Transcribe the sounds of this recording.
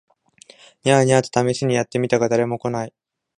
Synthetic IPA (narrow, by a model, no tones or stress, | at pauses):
ɲʲaɲiat̪o̥t̪ame̞ɕiɲ̟ijat̪ːe̞mʲit̪aɡad̪aɾe̞mo̞ko̞nai